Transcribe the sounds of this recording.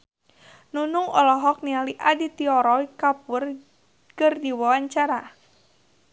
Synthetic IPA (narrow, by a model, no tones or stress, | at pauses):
nunuŋɔlɔɦɔk̚nialiʔadit̪iɔɾɔikapʊr | kɨrdiwawaɲt͡ʃaɾa